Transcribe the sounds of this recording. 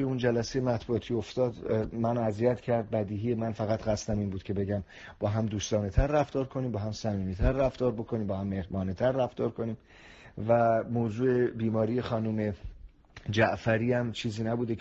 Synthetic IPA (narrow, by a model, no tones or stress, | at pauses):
eund͡ʒælæsejemæt̪b̥uɒt̪ʰiːo̞ft̪ɒːd̪mænæzijæt̪cʰæɾd̪̚bæd̪iːɦijemænfæɣæt̪ɣæst̪æmiːnbuːd̪kcʰe̞be̞ɟæm | b̥ɒːɦæmd̪uːst̪ɒːnet̪ʰæɾːæft̪ɒːɾkʰo̞niːmbɒːɦæmsæmiːniːt̪ʰæɾræft̪ɒːɾbo̞kʰo̞niːmbɒːhæmːe̞hbɒːnet̪ʰæɾːæft̪ɒːɾkʰo̞niːm | væmoːzuːe̞biːmɒːɾije̞xɒːnume̞ | d͡ʒæʔfæɾiːæmt͡ʃʰiːziːnæbuːd̪e